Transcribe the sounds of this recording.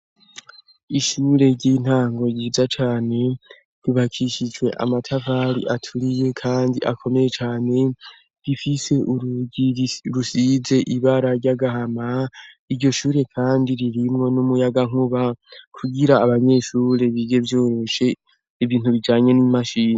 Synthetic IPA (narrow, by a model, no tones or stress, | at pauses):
iʃuɾe̞ɾɟin̥haːŋɡo̞jiːzat͡ʃaːne̞ | ɾiβakʰiʃid͡ʒwe̞ʔa̰matʰavaːɾḭʔatʰuɾije̞kʰaːndiʔakʰo̞me̞je̞t͡ʃaːne̞ | ɾifise̞ʔuɾuɟiɾusize̞ʔiβaɾaɾɟaɡaɦama | iɾɟo̞ʃuːɾe̞kʰaːndiɾiɾimŋo̞numujaɡaŋuβakʰuɡiɾaːβaɲe̞ʃuːɾe̞βiɡe̞vjo̞ːɾo̞ʃe̞ | iβiːn̥huβid͡ʒaːɲe̞nimaʃiːni